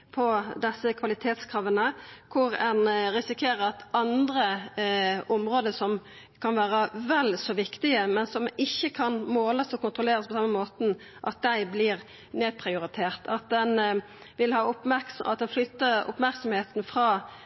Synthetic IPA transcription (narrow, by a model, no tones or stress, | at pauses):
pʰɔd̪ɛsːəkʰʋɑlɪt̪ʰeːt̪skʰɾɑːʋənəkʰʊɾɛnɾɪsɪkʰeːɾəɾɑt̪ɑnd̪ɾə | ɔmʁoːd̪əsɔm | kʰɑnʋæːɾəʋɛlsɔːʋɪkt̪ɪəmɛnsɔmɪçːəkʰɑnmoːləsɔkʊnt̪ɾʁʊleːɾəspʰɔsɑmːəmoːt̪n̩ | ʔɑt̪̚d̪æɪblɪʁ | neːd̪̚pʰʁɪʊɾɪt̪ʰeːʁt̪ʰɑt̪̚d̪ɛn | ʋɪlhɑːʊpmæksɑ̰t̪̚d̪ɛnflʏt̪ːəɾʊ̰pmæɾksɔmheːt̪nfɾɑː